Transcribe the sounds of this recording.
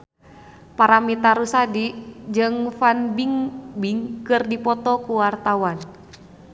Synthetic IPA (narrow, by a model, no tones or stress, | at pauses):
paɾamit̪aɾusadid͡ʒɨŋfanbiŋbiŋkɨrdipɔt̪ɔkuwart̪awan